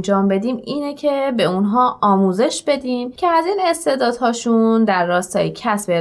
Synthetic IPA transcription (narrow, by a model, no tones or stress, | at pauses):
d͡ʒɒːmbe̞d̪iːmiːnecʰebe̞unɦɒːɒːmuːze̞ʃb̥e̞d̪iːmcʰe̞æziːne̞st̪e̞ːd̪ɒːd̪̥ɦɒːʃund̪æɾːɒːst̪ɒ̰ːjecʰæsbe